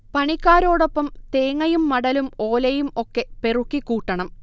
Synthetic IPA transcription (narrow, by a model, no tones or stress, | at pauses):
pɐɳikːaːɾo̞ːɽo̞pːɐmt̪eːŋːɐjumːɐɽɐlumo̞ːlɐjumo̞kːe̞pe̞rukːikːuːʈːɐɳɐm